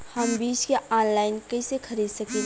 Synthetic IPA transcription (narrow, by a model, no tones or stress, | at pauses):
hɐmbiːd͡ʒkeʔaːnlaːɪnkɐɪsekʰɐɾiːd̪sɐke